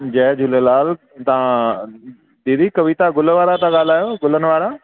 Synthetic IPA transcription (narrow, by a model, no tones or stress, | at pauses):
d͡ʑɛd͡ʑʊlelaːl | t̪ɐã | d̪iːd̪ikɐʋit̪aɡʊlʋaːɾat̪ãɠaːl̤aːjoɡʊl̤ənɪ̆ʋaːɾa